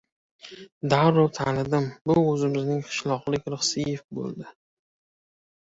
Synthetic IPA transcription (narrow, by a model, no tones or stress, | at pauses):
d̪aɾʊt̪ʰalɪd̪ɪmbʊɵzɪmɪznɪŋqʰɨ̥ʃlˠɒqlˠɪkʲɾɨχsɪjefbo̰lˠd̪ɪ